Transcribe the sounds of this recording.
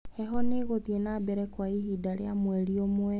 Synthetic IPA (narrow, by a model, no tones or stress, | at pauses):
hɛɦɔneɣoðienabɛɾɛkwaiɦidaɾeamwɛɾiomwɛ